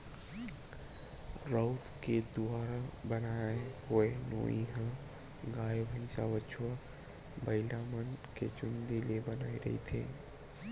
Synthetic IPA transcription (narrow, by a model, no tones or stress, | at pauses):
ɾəʊt̪ked̪uaːɾabənaeɦoeno̰ːiɦã | ɡaːjobʱə̃nsaʋət͡ʃʰuwa | bəɪlamənket͡ʃʊnd̪ilebənaːiɾɐ̰ɦḭt̪ʰḛː